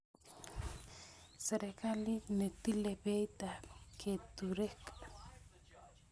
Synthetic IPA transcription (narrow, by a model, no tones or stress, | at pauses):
seɾekalinet̪ilebejt̪akʰet̪uɾehkḁ